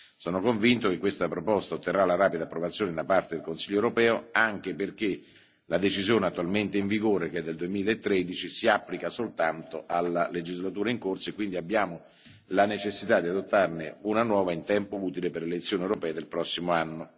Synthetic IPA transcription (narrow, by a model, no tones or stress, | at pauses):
sɔːnokoɱvint̪ok̟ekːwest̪apɾopɔst̪aot̪ːerːalaɾaːpid̪apːɾovat̪sːjoːned̪apart̪ed̪elkonsiʎːoewɾopɛːoaŋk̟eperk̟e | lad̪et͡ʃizjoːneat̪ːualment̪eiɱviɡoːɾekɛd̪ːeld̪uemiːlaet̪ːɾed̪it͡ʃisiapːlikasolt̪ant̪oʔalːaled͡ʒizlat̪uːɾaiŋkorsoekːwind̪iabːjaːmo | lanet͡ʃesːit̪ad̪iad̪ot̪ːarneunanwɔːvaint̪ɛmpouːt̪ileperlelet̪sːjoːniewɾopɛːad̪elpɾɔsːimoanːo